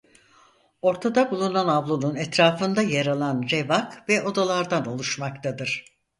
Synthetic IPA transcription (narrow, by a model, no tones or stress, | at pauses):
o̞ɾt̪ʰad̪abulˠunanavlˠonunɛt̪ɾaːfɯnd̪ajaɾalˠand͡ʒevakvɛʔo̞d̪alˠaɾd̪ano̞lˠuʃmakt̪ʰad̪ɯɾ̥